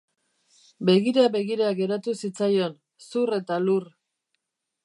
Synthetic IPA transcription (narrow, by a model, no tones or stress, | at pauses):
be̞ɣiɾaβe̞ɣiɾaɣe̞ɾat̪usit͡sajo̞n | sure̞t̪alur